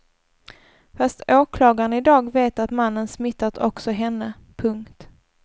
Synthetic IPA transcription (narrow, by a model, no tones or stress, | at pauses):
hœst̪oːkʰlɑːɡaəɳɪd̪ɑːɡveːt̪at̪manːənsmɪt̪ːat̪ʰɔksɔɦɛnːə | pʰɵŋkt̪